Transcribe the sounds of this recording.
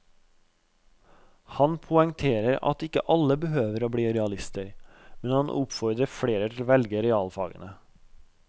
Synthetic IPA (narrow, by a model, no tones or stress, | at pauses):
hɑnpʰʊɛŋt̪ʰeːɾəɾɑ̰t̪ɪkə̰ʔɑləbəhøːʋəɾoːbɽiːɾɛɑlɪst̪əɾmɛnhɑnʔʊpfɔɾd̪ɾəfɽeːɾət̪ʰɪlʋɛlɡəɾɛɑːlfɑ̰ːɡə̰nə